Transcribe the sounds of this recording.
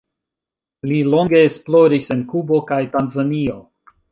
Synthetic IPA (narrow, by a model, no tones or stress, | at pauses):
lilo̞ŋɡe̞ːsplo̞ɾise̞nkubo̞kajtanzanio̞